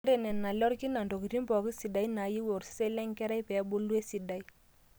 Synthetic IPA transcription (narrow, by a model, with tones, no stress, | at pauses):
ɾe˨nɛ˨nːa˨lɔ˦ɾki˦na˨ndo˨ki˨ɾi˦mbɔ˨ki˦si˨da˨i˦na˨ji˦wo˨ɾsɛ˦lɛ˦ŋkɛ˦ɾa˦jpɛ˨˦bo˦lu˦e˦si˨da˨i˦